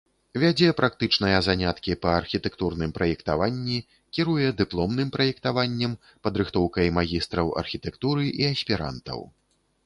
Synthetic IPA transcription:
vʲad͡zʲɛpɾʔak̚t̪ɨt͡ʂnɐjɐzanʲat̪kʲipɐːrxʲit̪ɛkt̪urnɨmpɾɐjɛkt̪avanʲːi | kʲiɾujɛd̪ɨplˠɔmnɨmpɾɐjɛkt̪avanʲːɛm | pɐd̪ɾɨxt̪ɔwkɐjmaɣʲist̪ɾɐwɐ̰rxʲit̪ɛkt̪uɾɨʔiɐsʲpʲiɾa̰nt̪ɐ̰w

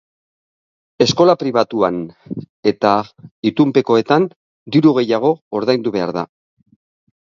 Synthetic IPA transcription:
e̞sko̞lapɾiβ̞at̪uan | e̞t̪ait̪umpe̞ko̞e̞t̪an | d̪iɾuɣe̞jaɣ̞o̞ːɾðajnd̪uβe̞a̰ɾða̰

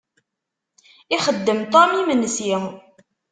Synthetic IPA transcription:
ɪχəd̪ːəmt̪ɑmimənːəsji

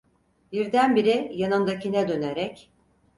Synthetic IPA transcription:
biɾd̪ænbiɾɪjanɯmd̪acʰinɛd̪ø̞neɾɛc

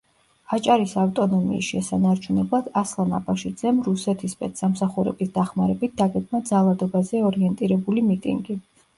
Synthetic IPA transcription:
at͡ʃʼaɾisaft̪ʼɔnɔmḭːsʃɛsanaɾt͡ʃʰunɛblˠad̪̥aslˠana̰baʃid̪zɛmɾusɛt̪ʰispʼɛt̪samsaχuɾɛ̰bisd̪aχmaɾɛbit̪̚ʰd̪aɡɛɡmad̪zalˠad̪ɔbazɛɔɾiɛnt̪ʼiɾɛbulimit̪ʼḭŋɡi

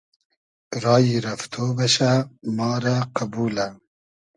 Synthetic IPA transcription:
ɾɑːjiɾɐft̪ʰoːbɐʃamɑːɾɐqɐbuːlɐ

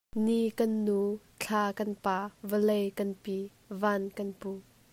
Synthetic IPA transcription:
nikɐnːu | t͡ɬʰaːkɐnpaːvəlejkɐnpi | vankɐnpu

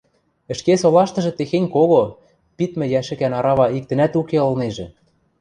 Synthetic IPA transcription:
ɘ̆ʃkesolɑʃt̪ɤ̆ʒɤ̆t̪exenʲkoɣo | pit̪mɘ̆jæʃɘ̆kænɑɾɑβɑik̚t̪ɘ̆næt̪ukeɤ̆lneʒĕ

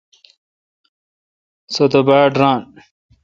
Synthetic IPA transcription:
sot̪obaːɖɾãːn

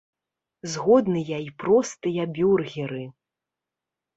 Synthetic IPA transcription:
zɣɔd̪nɨjɐipɾɔst̪ɨjɐbʲurɣʲiɾɨ

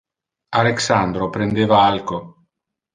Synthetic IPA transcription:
aleksand̪ɾopɾend̪eːvaalko

